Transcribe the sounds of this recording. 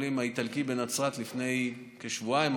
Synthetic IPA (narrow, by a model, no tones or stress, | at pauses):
limait̪alkibenat͡sʁat̪lifne̞j | keʃvuaim